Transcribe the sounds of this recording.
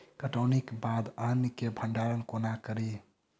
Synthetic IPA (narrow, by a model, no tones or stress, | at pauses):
kəʈəwnikbad̪ənikebʱəɳɖaɾənkonakəɾi